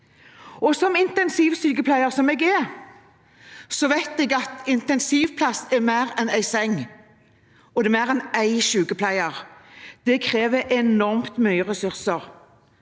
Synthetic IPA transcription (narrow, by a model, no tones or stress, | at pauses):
ɔsɔmɪnt̪ɛnsiːʋsyːkəplæɪəʁsɔmɛːɡɛ | sɔʋæɪt̪ɛɡɑt̪ɪnt̪ɛnsiːʋpʰlɑsːɛmæɪʁɛnæɪsɛŋː | ɔd̪ɛmæɪʁɛnæɪʃʉːkəpʰlæɪəʁd̪̥ɛkʰʁeːʋəʔɛnɔʁmt̪mœʏəʁɛsʉʁsəʁ